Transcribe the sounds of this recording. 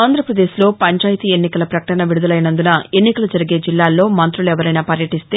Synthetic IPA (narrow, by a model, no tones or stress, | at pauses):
aːnd̪ɾɐpɾɐd̪eːʃlo̞ːpɐɲt͡ʃaːjt̪iːenːikɐlɐpɾɐkɐʈɐnɐʋiɽud̪ɐlɐjnɐnd̪unɐe̞nːikɐlɐd͡ʒɐɾiɡe̞ːd͡ʒilːaːlːo̞ːmɐnt̪ɾulɛʋɐɾɐjnaːpɐɾjɐʈist̪eː